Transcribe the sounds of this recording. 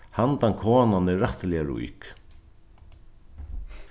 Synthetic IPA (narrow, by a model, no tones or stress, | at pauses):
hant̪aŋkʰɔːnanɪɾaht̪lɛjaɾṵḭk